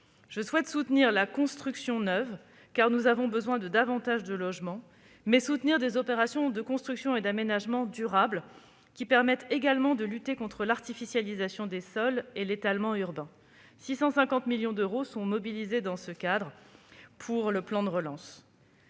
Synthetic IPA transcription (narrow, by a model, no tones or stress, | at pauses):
ʒ̥əswɛt̪sut̪niʁlakɔ̃st̪χyksjɔ̃nœv | kaʁnuzavɔ̃bəzwɛ̃d̪əd̪avɑ̃t̪aʒd̪əlɔʒmɑ̃ | mɛsut̪niʁd̪ezɔpeʁasjɔ̃d̪əkɔ̃st̪χyksjɔ̃ed̪amenaʒmɑ̃d̪yʁabl | kʲipɛʁmɛt̪eɡalmɑ̃d̪əlyt̪ekɔ̃t̪χəlaʁt̪ifisjalizasjɔ̃d̪esɔlelet̪almɑ̃yʁbɛ̃ | sisɑ̃sɛ̃kɑ̃t̪miljɔ̃d̪øʁosɔ̃mɔbilized̪ɑ̃səkad̪ʁpʰuʁləplɑ̃d̪əʁəlɑ̃s